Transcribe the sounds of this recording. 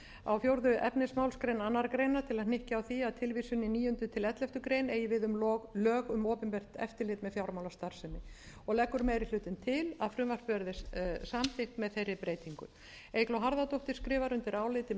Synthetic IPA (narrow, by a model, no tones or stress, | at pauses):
a̰wfjowɾðʏʔɛpnɪsmawlskɾejnanːaɾkɾejnat̪ʰɪlaðnɪhcɪawθiaðt̪ʰɪlvisʏnɪniːʏnt̪ʏt̪ʰɪlɛt̪lɛft̪ʏkɾejneːjɪvɪðʏmlɔɣlœːɣʏmoːpɪmpɛr̥t̪ɛ̰ft̪ɪlɪːt̪mɛðfjawɾmawlast̪aɾ̥sɛnːɪ | ɔɣlɛkːʏɾmeːjɾɪl̥ʏːt̪ɪnt̪ʰɪlaðfɾʏmvarpœɾðɪsamθɪht̪mɛðθejrːɪpɾeːjt̪iŋkʏ̰ | ejklɔɦaɾðat̪owht̪ɪɾ̥skɾɪːvaɾʏnt̪ɪɾaːwlɪt̪ɪ